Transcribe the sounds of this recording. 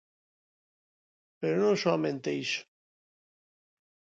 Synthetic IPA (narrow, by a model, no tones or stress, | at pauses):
peɾonõŋsoamẽnt̪ejʃ